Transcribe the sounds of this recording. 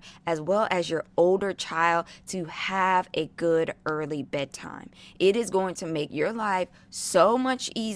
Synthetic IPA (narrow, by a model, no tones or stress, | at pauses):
ɨzwɛlˠʔɨzjə˞oʊlˠdə˞t͡ʃʰaɪlˠd̚tʰɨəvɨɡʊɾɜ˞lˠibɛd̚tʰã̰ɪ̃mʔɪɾɨzɡoʊɪ̃ŋtʰɨmeɪkjə˞laɪf | soʊmʌt͡ʃiz